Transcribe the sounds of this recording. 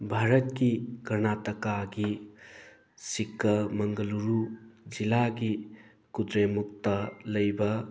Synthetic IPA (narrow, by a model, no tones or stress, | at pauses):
bʱaɾɐtkikɐɾnatɐkaɡi | sikːɐmɐŋɡɐluɾud͡ʒilaɡi | kudɾemuk̚tɐlɐjbɐ